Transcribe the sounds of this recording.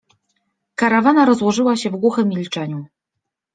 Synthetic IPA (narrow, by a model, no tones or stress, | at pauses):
kaɾavanaɾɔzwɔʐɘwaɕɛvɡwuxɘmʲːilt͡ʂɛɲu